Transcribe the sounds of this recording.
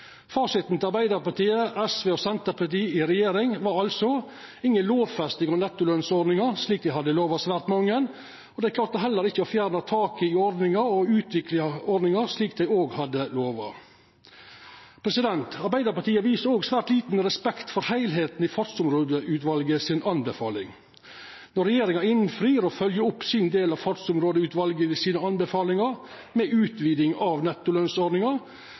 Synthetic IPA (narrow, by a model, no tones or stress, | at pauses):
fɑːʂɪt̪n̩t̪ʰɪɑɾbæɪd̪əɾpɑt̪iːəʔɛsʋeːɔsɛnt̪əpʰɑt̪iːɪɾɛjeːɾɪŋʋɑɾɑlsɔ | ɪŋːənloːʋfɛst̪ɪŋɔnɛt̪ːʊlœnsɔd̪nɪŋəɾsliːkd̪æɪɦɑd̪ːəloːʋɑsʋæːɾt̪mɑŋːən | ɔd̪ɛæɪkʰlɑːɾt̪ːəɦɛlːəɾɪçːəɔfjæːɾnət̪ʰɑːkɪɪɔɾd̪nɪŋəɾɔʉːt̪ʰʋɪklɪɑɔɾd̪nɪŋəɾʂliːk̚d̪æɪoːɡhɑd̪əloːʋɑ̰ | pʰɾɛsɪd̪ɛnt̪ʰɑɾbæɪd̪əɾpɑʈiːəʋiːsəɾoːɡsʋæːɾʈ̪liːt̪n̩ɾɛspɛkt̪fɔɾhæɪlɦeːt̪n̩ɪfɑt̪sʊmɾoːd̪əʉːt̪ʋɑlɡəsɪnʔɑnbəfɑːlɪŋ | nɔɾɛjeːɾɪŋɑɪnfɾiːɾɔfœljəʊpːsɪnd̪eːlɑʋfɑt̪sʊmɾoːd̪əʉːt̪ʋɑlɡəɪsiːnəɑnbəfɑːlɪŋɑɾ | mɛʔʉːt̪ʋiːd̪ɪŋɑʋnɛt̪ːʊlœnsɔɾɖnɪŋɑ